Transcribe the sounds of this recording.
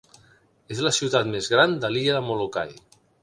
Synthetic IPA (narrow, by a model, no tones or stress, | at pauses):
ezlasiwt̪at̪mezɣɾand̪aliʎaðəmoloka̰j